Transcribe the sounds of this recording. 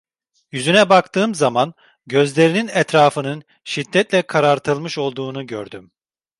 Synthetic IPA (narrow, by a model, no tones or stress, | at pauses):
jyzynɛbakt̪ʰɯːmzaman | ɟø̞zlʲe̞ɾininɛt̪ɾaːfɯnɯn | ʃid̪ːɛt̪lʲɛkʰaɾaɾt̪ʰɯlˠmɯʃo̞lˠd̪uːnuɟø̰ɾd̪ym